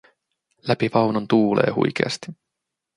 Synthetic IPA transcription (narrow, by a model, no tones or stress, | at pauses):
læpiʋɑwnont̪uːle̞̰ːhṵjk̟ḛɑ̰st̪i̥